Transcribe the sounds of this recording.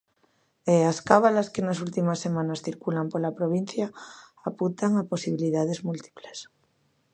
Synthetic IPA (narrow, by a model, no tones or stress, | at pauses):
easkaβalaskenas̬ult̪imasːe̞mãnasθiɾkulampolapɾoβ̞in̟θjaːpunt̪aŋapo̞siβ̞iliðaðezmult̪i̥ples